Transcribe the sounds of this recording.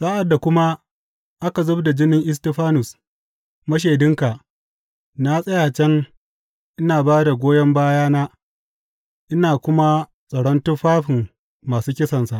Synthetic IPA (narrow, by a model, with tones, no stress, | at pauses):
sʼaː˦ʔa˨dːa˨kʷʊ˦ma˦ | ʔa˦ka˨zʊ˦bda˨d͡ʒɪ˦nɪ˦ŋʔɪ˦s̬te˦˨ɸaː˦nʊ˨s | mɐ˦ʃ̬eː˨dɪ˦ŋka˨ʔ | na˦sʼɐ˦jaː˨t͡ʃɛ˦ŋ | ʔɪ˦naː˨baː˦da˨ɡʷoː˦jɐ˦mbaː˦jaː˦naː˦ | ʔɪ˦naː˨kʷʊ˦ma˦ | sʼɐ˨ɽɔ˦ntʊ˦ɸaː˦ɸɪ˨mː | aː˨suː˦kʲɪ˦sɐ˨nsa˨ʔ